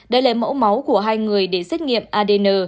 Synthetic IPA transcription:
ɗə˧jlaː˨˩mo̰˧˥wma˨˦wku˧˩əɦaː˧jŋɨ˨˩əjɗe˧˩sa˦˥k̟̚ŋḭ˧˨əmʔaː˧ɗe˧nəː˧

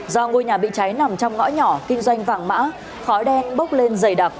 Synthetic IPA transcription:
zɔ˧ŋo˧jɲaː˨˩ɓḭ˧˨t͡ɕa˨˦jna˨˩mt͡ɕɔ˧wŋ͡mŋɔ̰˧˥ɲɔ˧˩kï˧ŋ̟zwa˧jŋ̟vaː˨˩ŋma̰ː˧˥ | xɔ˨˦jɗɛ˧nɓə˦˥wk͡p̚le˧nzə˧˩jɗaː˨˩k̚

